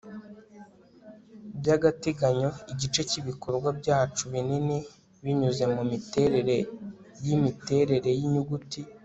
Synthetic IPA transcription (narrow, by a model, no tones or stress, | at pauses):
bjaɡateɡaɲo̞iɟit͡ʃe̞ciβikoɾɡwabɟaːt͡ʃuβinine | βiɲuze̞mumiteɾeɾe | jimite̞ɾe̞ɾe̞jiɲuɡuti